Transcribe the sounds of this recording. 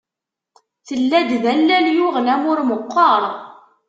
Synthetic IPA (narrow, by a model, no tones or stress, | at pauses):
θəlːæd̪ðælːæljʊʁlæmʊɾməqːɑɾˤ